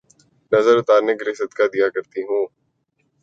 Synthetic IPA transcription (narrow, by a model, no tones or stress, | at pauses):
nɐzəɾʊt̪aːɾneɡɾɪsəd̪kad̪ijakɐɾt̪iɦũː